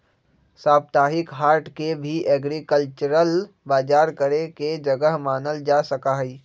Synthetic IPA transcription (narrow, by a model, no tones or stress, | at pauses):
saːb̚t̪aːɦɪkɦaːɾʈʰkebʱiʔɛːɡɾikəlt͡ʃəɾəl | baːd͡ʒaːɾkəɾeked͡ʒɐɡəɦmaːnəld͡ʒaːsəkaɦiː